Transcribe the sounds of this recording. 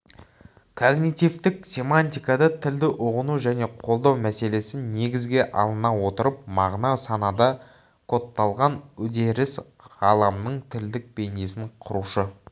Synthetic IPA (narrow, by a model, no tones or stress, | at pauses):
kʰoɡnit̪ivt̪ɪksʲe̞manʲt̪ʲijkɑd̪ɑt̪ʰɪld̪ɪʔʊʁənuʒæne̞qʰo̞lˠd̪ɑwmæse̞le̞sɪnne̞ɡʲɪzɡʲe̞ʔɑ̰lˠənɑwo̞t̪əɾəp̚mɑʁnɑsɑnɑd̪ɑ | kʰo̞t̪ːɑlˠʁɑnʏd̪e̞ɾɪs | ʁɑlˠɑmnəɴt̪ʰɪld̪ɪk̚b̥e̞nesɪɴqʰʊɾuʃə